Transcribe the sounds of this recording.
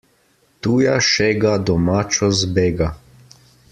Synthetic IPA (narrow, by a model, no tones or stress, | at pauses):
t̪uːjaʃɛɡad̪ɔmaːt͡ʃɔzbeːɡa